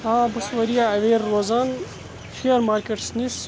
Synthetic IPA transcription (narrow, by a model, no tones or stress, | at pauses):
aːbusʋɐɾijaɐʋeːɾːoːzaːn | fiɐɾmaːɾkeʈsnis